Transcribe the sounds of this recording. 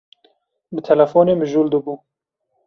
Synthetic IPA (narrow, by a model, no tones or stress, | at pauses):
bɨt̪ʰɛlɛfoːneːmɨʒuːld̪ɨbuː